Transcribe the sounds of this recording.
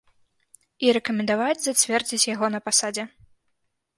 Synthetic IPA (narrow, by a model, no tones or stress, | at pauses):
iɾɛkɐmʲɛnd̪avad͡zʲzat͡sʲvʲɛrd͡zʲit͡sʲjaɣɔnɐpasad͡zʲɛ